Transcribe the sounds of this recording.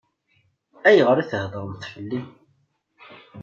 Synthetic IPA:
æjəʁəɾiθəhðˤəɾmθfəlːim

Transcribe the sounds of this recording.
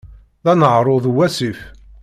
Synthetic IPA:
ðænəʕɾˤoðwæsif

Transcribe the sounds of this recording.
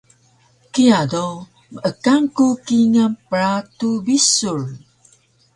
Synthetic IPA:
kijado | məʔəkaŋkukiŋapəɾatubisur

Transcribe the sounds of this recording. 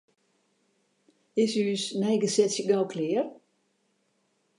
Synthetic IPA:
ɪsyːsnɛjɡəsɛsjəɡawkʰlɪər

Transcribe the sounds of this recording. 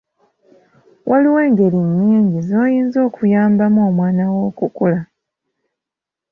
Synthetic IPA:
wʔaliwe̞ːŋɡe̞ɾiɲːiːɲɟizo̞ːjiːnzo̞ːkʰujaːmbamoːmwaːnawo̞ːkukula

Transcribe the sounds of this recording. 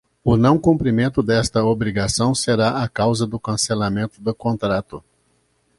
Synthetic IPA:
ʊnɐ̃w̃kũmpɾimẽnt̪ʊd̪ɛst̪ɐobɾiɡasɐ̃w̃seɾaʔakawzɐd̪ʊkɐ̃selamẽnt̪ʊd̪ʊkõnt̪ɾat̪ʊ

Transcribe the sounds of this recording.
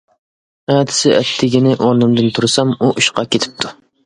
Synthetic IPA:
æt̪ʰɪ̥sɪʔɛt̪ʰːɪɡʲinɪʔoɾnɨmd̪ɨnt̪ʰuɾsɑmuʔuʃqɑkʲʰet̪ʰɪ̥p̚t̪ʰu

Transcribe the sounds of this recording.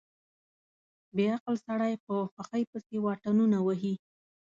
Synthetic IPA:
beaqlsaɽajpəxaxəjpəsewɑʈanunawəɦi

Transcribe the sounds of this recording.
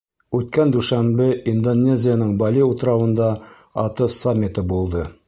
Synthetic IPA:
ʉt̪̚kænd̪ʉʃæmbɘind̪onʲːezʲɪjanɤɴbɑlʲiut̪ɾɑwɤ̆nd̪ɑ | ɑt̪ɤsamʲːɪt̪ɤbulˠd̪ɤ

